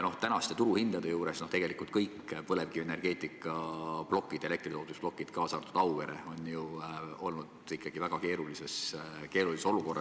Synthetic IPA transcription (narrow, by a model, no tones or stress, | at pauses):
no̞ht̪ænɑst̪e̞t̪uɾuhind̪̥ɑd̪e̞juːɾe̞snoht̪e̞ɡ̥e̞likːˑult̪kɤjkpɤlevɡ̥iene̞rɡ̥e̞ːt̪ˑikːˑɑplo̞kːˑid̪̥e̞le̞kt̪rit̪oːt̪usplo̞kːˑid̪̥kɑːsɑːt̪ud̪̥ɑwveɾeo̞nʲjuo̞̰lnud̪̥ikːˑɑɡ̥ivæɡ̥ɑke̞ːɾulise̞ske̞ːɾuliseso̞luko̞rːʔɑ